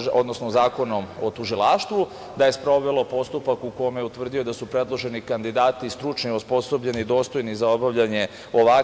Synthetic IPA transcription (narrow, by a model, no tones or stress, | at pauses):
o̞d̪no̞snozaːko̞no̞mo̞t̪uʒilˠaːʃt̪ʋu | d̪ajespɾo̞ʋe̞lo̞po̞st̪upakukojomjeut̪ʋr̩d̪io̞d̪asupɾe̞d̪lˠo̞ʒe̞nikand̪id̪aːt̪ist̪ɾut͡ʃniospo̞so̞bʎe̞nid̪o̞ːst̪o̞jnizao̞baʋʎaɲe̞ | o̞ʋa